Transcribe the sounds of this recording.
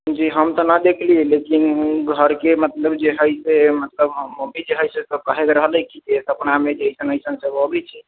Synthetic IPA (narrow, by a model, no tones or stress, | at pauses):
d͡ʒiɦəmt̪ɔnəd̪ekʰlilekinɡʱəɾkemət̪ləbd͡ʒeɦəjsemət̪ləbmobid͡ʒeɦəjsesəb̚kəɦet̪ɾəɦələkid͡ʒesəpnamed͡ʒeisənəjsənsəbəbɛt͡ʃʰi